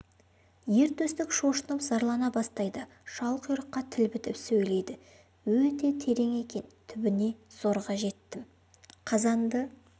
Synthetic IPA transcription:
je̞ɾt̪ʰɵst̪ɪkʃo̞ʃənəpz̥ɑɾlˠɑnɑbɑst̪ɑjd̪ə | ʃɑlˠqjʊɾəqːɑt̪ʰɪlbɪt̪ɪpsɵjle̞jd̪ɪ | wɵt̪e̞t̪ʰe̞ɾe̞ŋe̞kʲe̞nt̪ʰʏbɪne̞z̥o̞ɾʁɑʒe̞t̪ːɪm | qʰɑzɑnd̪ə

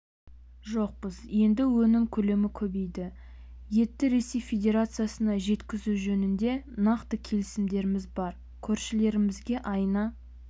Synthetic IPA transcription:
ʒo̞q̚pəzje̞nd̪ɪwɵnɪmkʲʰɵle̞mɪkʲʰɵbe̞jd̪ɪ | je̞t̪ːɪɾe̞se̞jfʲe̞d̪ʲe̞ɾat̪sɨjasənɑʒe̞t̪kʲɪzuʒɵnɪnd̪e̞nɑqt̪əkʲʰe̞lɪsɪmd̪e̞ɾɪmɪzbɑɾ | kʲʰɵɾʃɪle̞ɾɪmɪzɡʲe̞ʔɑjnɑ

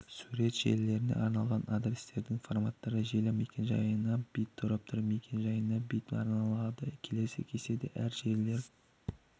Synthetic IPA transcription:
suɾe̞t̪ʒ̥e̞ɾle̞ɾɪne̞̰ʔɑɾnɑlˠʁɑnʔad̪ɾʲest̪e̞ɾd̪ɪŋfo̞rmat̪ːɑɾəʒelɪmejkʲenʒɑ̰jənɑb̥ijt̪ʰːoɾɑp̚t̪ʰʊɾpmekʲenʒɑjənɑbijt̪ɑ̰ɾnɑlˠɑd̪əkʲʰe̞le̞sḛkʲʰe̞se̞d̪ɪʔæɾʒe̞ɾle̞ɾ

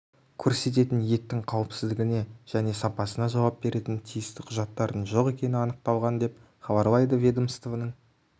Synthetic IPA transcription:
kʲʰɵɾse̞t̪̬e̞t̪ɪnje̞t̪ːɪŋqʰɑwəpsɪzd̪ɪɡʲɪne̞ʒ̥æne̞sɑpɑsənɑʒɑwɑp̚be̞ɾe̞t̪ɪnt̪ʰijɪst̪ɪqʰʊʒɑt̪ːɑɾd̪ənʒo̞qe̞kʲe̞nɪɑnəq̚t̪ɑlˠʁɑnd̪e̞p̚ | χɑbɑɾlˠɑjd̪əvʲed̪əmst̪ovnəɴ

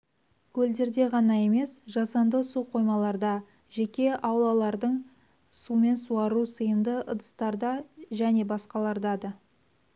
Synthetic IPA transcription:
kʲʰɵld̪e̞ɾd̪e̞ʁɑnɑe̞me̞sʒɑsɑnd̪əsuqʰo̞jmɑlˠɑɾd̪ɑ | ʒekʲe̞ʔɑwlˠɑlˠɑɾd̪əɴ | sume̞nsuɑɾusəjəmd̪əʔə̰d̪əst̪ɑɾd̪ɑʒæne̞bɑsqɑlˠɑɾd̪ɑd̪ə

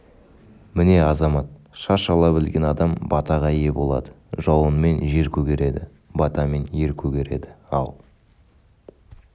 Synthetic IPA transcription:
mɪne̞ɑzɑmɑt̪̚ | ʃɑɾʃɑlˠɑbɪlɡʲe̞nɑd̪ɑmbɑt̪ɑʁɑje̞bo̞lˠɑ̰d̪ə | ʒɑwənme̞nʒe̞ɾkʲʰɵɡʲe̞ɾe̞d̪ɪ | bɑt̪ɑme̞nje̞ɾkʲʰɵɡʲe̞ɾe̞̰d̪ɪɑ̰lˠ

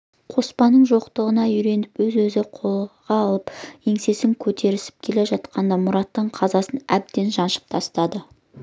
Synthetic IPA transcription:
qʰo̞spɑnːəɴʒo̞qt̪əʁənɑʏjɾe̞nɪpwɵzwɵzɪqʰo̞lˠʁɑːlˠəpje̞ŋse̞sɪŋkʲʰɵt̪ʰe̞ɾɪsɪ̥p̚kʲʰe̞le̞ʒɑt̪qɑnd̪ɑmʊɾɑt̪ːəɴqʰɑzɑsənæb̚d̪e̞nʒɑnʃə̥p̚t̪ʰɑst̪ɑd̪ə

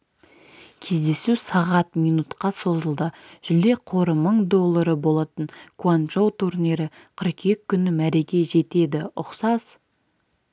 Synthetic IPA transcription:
kʲʰe̞zd̪e̞susɑʁɑt̪mijnut̪qɑso̞zəlˠd̪ə | ʒ̥ʏle̞qʰo̞ɾəməɴd̪o̞lˠːaɾəbo̞lˠɑt̪əɴkuanʒowt̪ʰuɾniɾɪ | qʰəɾke̞kʲʰːʏnɪmæɾe̞kʲe̞ʒe̞t̪e̞d̪ɪʊqsɑz̥

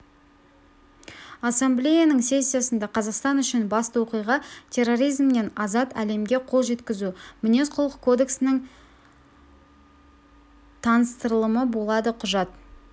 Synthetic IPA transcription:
asːemblʲejanəɴse̞sʲːijasənd̪ɑqʰɑzɑqst̪ɑnʏʃɪnbɑst̪əwo̞qijʁɑt̪ʲʰe̞rːo̞ɾijzmne̞nɑzɑt̪æle̞mɡʲe̞qʰo̞lˠʒe̞t̪kʲɪzumʏne̞sqʰʊlˠəqkʰod̪e̞ksɪnɪŋ | t̪ʰɑnəst̪əɾəlˠəməbo̞lˠɑd̪əqʰʊʒɑt̪̚

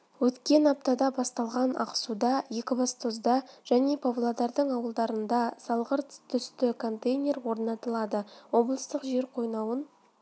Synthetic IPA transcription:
wɵt̪kʲe̞nɑp̚t̪ɑd̪ɑbɑst̪ɑlˠʁɑnɑ̰qə̥sud̪ɑje̞kʲɪbɑst̪o̞zd̪ɑʒ̥æne̞pʰovlˠod̪ɑɾd̪əɴɑwəlˠd̪ɑɾənd̪ɑsɑlˠʁəɾt̪t̪ʰʏst̪ɪkʰo̞nt̪ejnʲe̞ɾwo̞ɾnɑt̪əlˠɑd̪əwo̞blˠəst̪əqʒe̞ɾqʰo̞jnɑwən

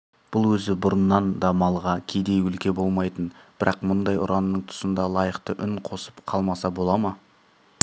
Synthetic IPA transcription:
b̥ʊlˠwɵzɪbʊɾənːɑnd̪ɑmɑlˠʁɑkʲʰejd̪e̞jwʏlkʲe̞bo̞lˠmɑjt̪ənb̥ɪɾɑqmʊnd̪ɑjʊ̰ɾʔɑnːəɴt̪ʰʊ̥sənd̪ɑlˠɑjəqt̪əʔʏŋqʰo̞səpqʰɑlˠmɑsɑbo̞lˠɑmɑ

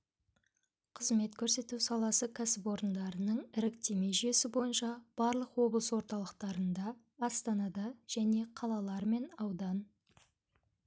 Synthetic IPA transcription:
qʰəzme̞t̪kʲʰɵɾse̞t̪usɑlˠɑsəkʲʰæsɪpwo̞ɾənd̪ɑɾənəɴɪɾɪkt̪e̞me̞jʒyjesɪbo̞jənʃɑb̥ɑɾlˠəqwo̞blˠəswo̞ɾt̪ɑlˠəqt̪ɑɾənd̪ɑː | st̪ɑnɑd̪ɑʒ̥æne̞qʰɑlˠɑlˠɑɾme̞nɑwd̪ɑn

